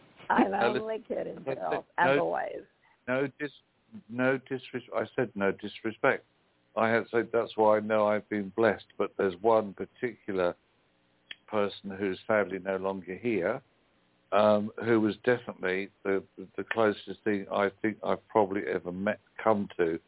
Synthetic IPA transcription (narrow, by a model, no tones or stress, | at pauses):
ãməlɪlɪkʰɪɾɨ̃aɪ̰ɛoʊwḛɪz̥ | noʊdɪs | noʊdɪsɹɨsaɪsɛdⁿnoʊdɪsɹɨspɛk̚t̚ | ʔaɪɨd̥sɛd̪̚ðætswaɪaɪnoʊaɪvbɨ̃nblɛstb̥ʌt̪̚ðə˞zwʌ̃npʰətʰɪkʰjl̩ˠə˞ | pʰɜ˞sn̩ɦʉz̥fædˡlinoʊlɔ̃ŋɡə˞ɦiɹ | ʌ̃mhʉwʌzdɛfənəʔˡliðɨðɨðɨkʰl̥oʊsɨsθɪ̃ŋa̰ɪθɪ̃ŋka̰ɪv̥pʰɹ̥ɑbəbliʔɛ̰və˞mɛt̚kʰʌ̃mtʰʉ